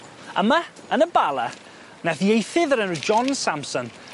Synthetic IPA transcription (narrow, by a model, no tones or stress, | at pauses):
əma | ənəbalˠə | naðiejθɪðəɾənd͡ʒɔnsampsɔn